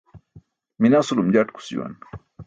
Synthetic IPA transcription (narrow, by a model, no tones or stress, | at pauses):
minasulumd͡ʑaʈku̥sḭwa̰n